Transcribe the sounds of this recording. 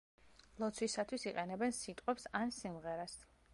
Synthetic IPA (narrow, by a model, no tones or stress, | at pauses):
lˠɔt̪sʰwisat̪ʰwisiqʼɛnɛbɛnsit̪ʼqʼwɛpsansimʁɛɾas